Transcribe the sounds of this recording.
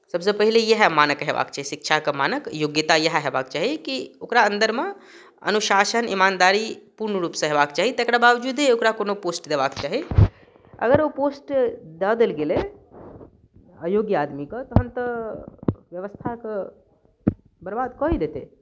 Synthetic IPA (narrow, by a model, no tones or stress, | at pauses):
sɐbsepəɦilejəɦmaːnəkɦḛʋa̰ːkt͡ʃaːɦisɪkʃʰakəmaːnəkjoɡjət̪ajəɦɦeba̰ːkt͡ʃaːɦiekiokɾaə̃nd̪əɾmẽ | ɐ̰nuʃaːʃənḭmaːnd̪aːɾipuɾnəɾuːpsə̃ɦeːʋaːkt͡ʃaːɦit̪ekɾabaːʋd͡ʒuːd̪eokɾakoːnopoːsʈd̪eʋaːkt͡ʃaːɦi | ɐ̰ɡəɾopoːsʈd̪aːd̪elɡele | əjoːɡjaːd̪mikɐt̪ɐɦəmt̪ɐ | ʋjɐʋəst̪ʰakə | bɐɾbaːd̪kɔːid̪eːt̪e